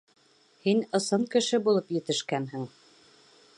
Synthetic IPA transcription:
hinɤ̆sɤɴkɘ̆ʃɘbulˠɤpjɘ̆t̪ɘ̆ʃkænɦɘŋ

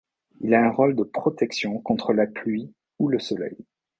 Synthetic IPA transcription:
ilaɛ̃ʁold̪əpχɔt̪ɛksjɔ̃kɔ̃t̪χəlaplɥi | uləsɔlɛ̰j

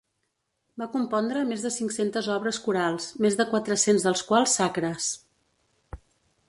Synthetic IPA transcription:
bakumpɔnd̪ɾəmezðəsiŋksent̪əzɔβɾəskuɾalˠsmezðəkwat̪ɾəsenzðəlˠskwalˠsːakɾəs

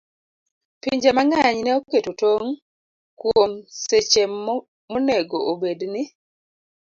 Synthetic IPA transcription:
piɲd͡ʒemaŋaɲnɛoketotoŋ | kwomset͡ʃe | moneɡoʔobednɪ

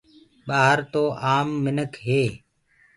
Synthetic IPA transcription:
ɓaːɦəɾt̪oːʔaːmːɪnəkɦeː

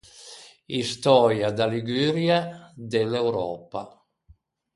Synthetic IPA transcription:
ist̪ɔːɾjad̪aliɡyːɾjad̪elːewɾɔ̰ːpa̰

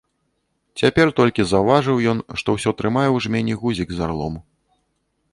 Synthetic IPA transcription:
t͡sʲapʲɛrt̪ɔlʲkʲizavaʐɨwjɔnʂt̪ɔwsʲɔt̪ɾɨmajɛwʐmʲɛnʲiɣuzʲiɡzarlˠɔ̰mu

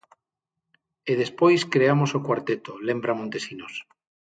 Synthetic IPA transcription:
eð̞espojskɾeamosokwaɾt̪et̪olembɾamõnt̪esinos

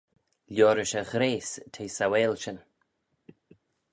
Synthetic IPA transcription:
lʲjoːɾəʃəɣɾeːstʰeːsaweːlʃən

